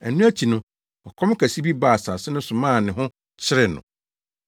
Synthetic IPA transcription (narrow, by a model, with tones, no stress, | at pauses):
æ˨nũ˦æ˦t͡ɕʰi˨nʊ̃˦ | ɔ˨kʰɔ̃˦m˦kʰæ˨si˦bi˦ba˨sa˨sɪ˦nʊ̃˦sʊ̃˨mãː˦˨nɪ̃˨ɦʊ̃˦ | t͡ɕʰɪ˦ɾɪ˨nʊ̰̃˨